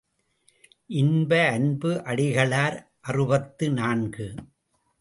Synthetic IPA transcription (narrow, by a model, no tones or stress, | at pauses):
ʔɪnbɐːnbɯʔɐɽɪɣɐɭaːɾ | ʔɐrɯbɐt̪ːɯnaːnɡɯ